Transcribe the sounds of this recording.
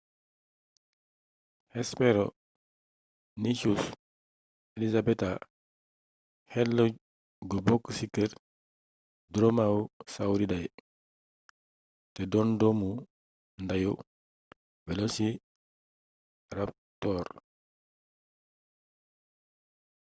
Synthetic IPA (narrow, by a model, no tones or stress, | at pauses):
hɛspɛɾɔ | nit͡ʃus | elisabɛta | hɛlːɔ | ɡubɔkːsikːəɾ | dɾomawsawɾidaj | tɛdɔndɔmu | ndaju | bɛlosi | rap̚tɔːɾ